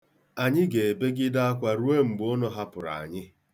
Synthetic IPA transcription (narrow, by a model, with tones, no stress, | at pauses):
a˨ɲɪ˦ɡe˨e˨be˦ɡɪ˦da˦a˦kʷa˨ɾu˦e˦m̩˨ɡ͡bʊ˦nɔ˨ɦa˦pʊ˨ɾa̰˨a̰˨ɲɪ˦